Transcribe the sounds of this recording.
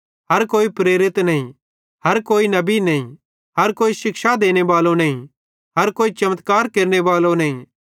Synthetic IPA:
ɦɐɾkoːipɾeːɾɪt̪nɐɦĩ | hɐɾkoːinɐbinɐɦĩ | ɦɐɾkoːiʃɪkʃad̪eːñebaːlõnɐɦĩ | ɦɐɾkoːit͡ʃɐmət̪kaːɾkeːɾñebaːlõnɐɦĩ

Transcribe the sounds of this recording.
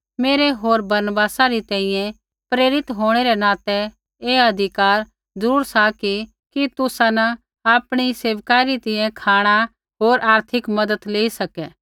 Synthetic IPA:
meːɾɛɦoːɾbɐɾnbaːsaɾit̪ɛ̃ːĩjɛ̃ | pɾeːɾɪt̪ɦoːɽ̃eɾɛnãːt̪ɛ | eːɐd̪ʱɪkaːɾ | d͡zəɾuːɾsaki | kit̪ʊsãnɐ | aːpɽ̃iseːʋkaːɾit̪ɪjɛ̃kʰaːɽ̃a | ɦoːɾʔaːɾt̪ʰɪkmɐd̪ət̪leːisɐkɛː

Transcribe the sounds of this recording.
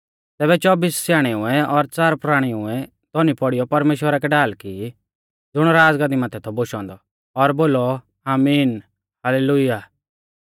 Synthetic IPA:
t̪ɛːbɛt͡ʃɔbiːssjaːɽ̃ɛʊɛɔɾt͡saːɾpɾaːɽ̃iʊɛ | t̪ɔnipɔɽijɔpɐɾmeːʃwəɾakɛɖaːlki | d͡zʊɽ̃ɾaːd͡zɡãd̪imaːt̪ʰɛt̪ʰɔboʃɔ̃ːnd̪ɔ | ɔɾboːlɔ | aːmiːn | haleːlʊjaː

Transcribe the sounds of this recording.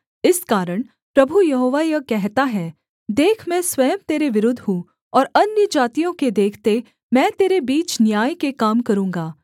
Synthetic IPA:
ɪskaːɾəɽ̃ | pɾɐbʱujɐɦoːʋajɐkɛɦt̪aɦɛː | d̪eːkʰmɛ̃swɐjəmt̪eːɾeʋɪɾʊd̪ʱɦũ | ɔːɾɐnjəd͡ʒaːt̪ijõked̪eːkʰt̪e | mɛ̃ːt̪eːɾebiːt͡ʃnjaːjkekaːmkɐɾũːŋɡaː

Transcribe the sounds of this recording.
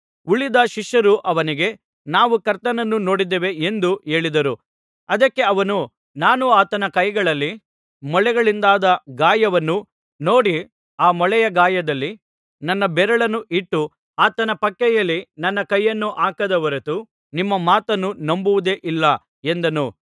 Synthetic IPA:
uɭid̪ɐʃiʃjɐɾuʔɐʋɐniɡe̞ | naːʋukɐɾt̪ɐnɐnːunoːɽid̪eːʋe̞end̪ue̞ːɭid̪ɐɾu | ɐd̪ɐkːe̞ɐʋɐnu | naːnuaːt̪ɐnɐkɐjɡɐɭɐlːi | mɔɭɛɡɐɭind̪aːd̪ɐɡaːjɐʋɐnːu | no̞ːɽi | aːmɔɭɛjɐɡaːjɐd̪ɐlːi | nɐnːɐbɛɾɐɭɐnːuʔiʈːu | aːt̪ɐnɐpɐkːɛjɐlːinɐnːɐkɐjːɐnːuʔaːkɐd̪ɐʋɐɾet̪u | nimːɐmaːt̪ɐnːunɐmbuʋud̪e̞ʔilːɐ | e̞nd̪ɐnu

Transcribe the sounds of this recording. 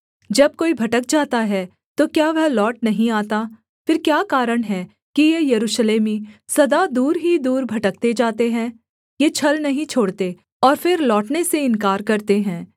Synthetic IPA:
d͡ʒɐb̚koːibʱɐʈək̚d͡ʒaːt̪aɦɛː | t̪okjaːʋɐɦlɔːʈ̚nɐɦĩaːt̪a | fɪɾkjaːkaːɾəɽ̃ɦɛː | kijejɐɾuːʃleːmisɐd̪ad̪uːɾɦid̪uːɾbʱɐʈək̚t̪ed͡ʒaːt̪eɦɛ̃ | jet͡ʃʰɐlnɐɦĩt͡ʃʰoːɽt̪e | ɔːɾfɪɾlɔːʈneseɪnkaːɾkɐɾt̪eɦɛ̃ː

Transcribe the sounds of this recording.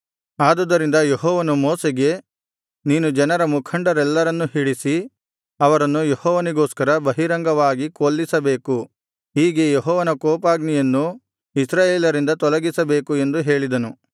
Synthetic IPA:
aːd̪ɐd̪ːɐɾind̪ɐjeɦɔːʋɐnumɔːseɡe̞ | niːnud͡ʒɐnɐɾɐmukʰɐɳɖɐɾɛlːɐɾɐnːuɦiɽisi | ɐʋɐɾɐnːujehɔːʋɐniɡoːskɐɾɐbɐɦiɾɐŋɡɐʋaːɡikoːlːisɐbe̞ːku | ɦiːɡe̞jeɦɔːʋɐnɐkɔːpaːɡnijɐnːu | isɾaːjeːlɐɾind̪ɐt̪ɔlɐɡisɐbe̞ːkue̞nd̪uɦe̞ːɭid̪ɐnu

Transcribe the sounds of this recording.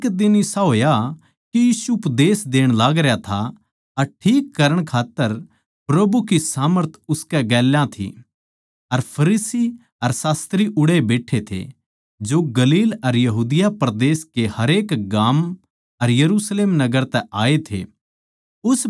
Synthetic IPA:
kd̪ɪnisaɦoːja | kijiːsuʊpd̪eːsd̪eːɽ̃laːɡɾejat̪ʰa | ɐɾʈʰiːkːɐɾəɽ̃kʰaːt̪ːəɾ | pɾɐbukisaːməɾt̪ʰʊskɛɡɛːljãt̪ʰḭ | ɐɾpʰɐɾiːsi | ɐɾsaːst̪ɾiʔʊɽebeːʈʰet̪ʰḛ | d͡ʒoɡɐliːlɐɾjɐɦuːd̪ɪjapɾd̪eːskehɐɾeːkɡaːm | ɐɾjɐɾuːsleːmnɐɡəɾt̪ɛʔaːet̪ʰḛ | ʊs

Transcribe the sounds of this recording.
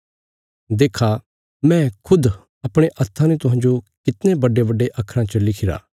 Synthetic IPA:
d̪eːkʰa | mɛ̃ːkʰʊd̪ | ɐpɽ̃eʔɐt̪ʰːãnet̪ʊɦãːɲd͡ʒokɪt̪nebɐɖːebɐɖːeʔɐkʰːɾãt͡ʃəlɪkʰɪɾa̰ː

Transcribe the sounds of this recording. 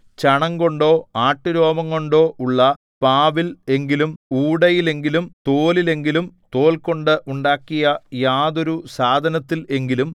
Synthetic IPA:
t͡ɕɐɳɐŋɡo̞ɳɖo̞ːaːʈːuɾo̞ːmɐŋːo̞ɳɖo̞ːʔuɭːɐ | paːʋile̞ŋɡilumuːɽɐjile̞ŋɡilumt̪oːlile̞ŋɡilumt̪o̞ːlko̞ɳɖɨʔuɳɖaːkːijɐjaːd̪o̞ɾusaːd̪ʱɐnɐt̪ːile̞ŋɡilum

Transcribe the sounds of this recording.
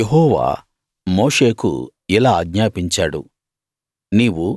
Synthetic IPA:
eɦɔːʋa̰ː | moːʂe̞ːkṵ | ilaːɐɡɲaːpiɲt͡ʃaːɽṵ | niːwu

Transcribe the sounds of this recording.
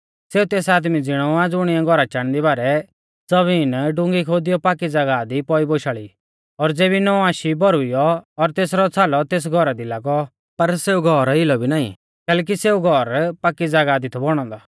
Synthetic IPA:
seːut̪eːsaːd̪mid͡zɪɽ̃ɔad͡zʊɽ̃iãɡʱɔɾat͡ʃaɽ̃d̪ibaːɾɛ | d͡zɔβinɖʊ̃ŋɡikʰoːd̪ijɔpaːkid͡zaɡad̪ipɔiboʃaːɭi | ɔɾd͡zeːbinɔaːʃibɔɾʊijɔɔɾt̪eːsɾɔt͡sʰaːlɔt̪eːs̬ɡʱɔɾad̪ilaːɡɔ | pɐɾseːuɡʱɔɾɪlɔbʱinaːḭ̃ | kɛːlɛːk̬iseːuɡʱɔɾpaːkːid͡zaɡaːd̪it̪ʰɔbɔɽ̃ɔ̃nd̪ɔ

